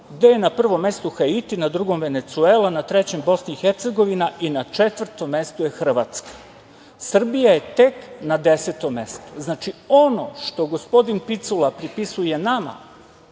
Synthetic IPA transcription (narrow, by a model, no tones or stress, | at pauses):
ɡd̪e̞jenapr̩ʋo̞mːe̞st̪uxait̪inad̪ɾuɡo̞mʋe̞ne̞t̪suelanat̪ɾe̞t͡ɕe̞mbo̞sniixeɾt̪seɡo̞ʋinaʔinat͡ʃet̪ʋr̩t̪o̞mːe̞st̪ojexr̩ʋat̪skḁ | sr̩bijaje̞t̪e̞knad̪e̞set̪o̞mːe̞st̪o̥znaːt͡ʃio̞no̞ʃt̪o̞ɡo̞spo̞d̪inpit̪sulapɾipisuje̞nama̰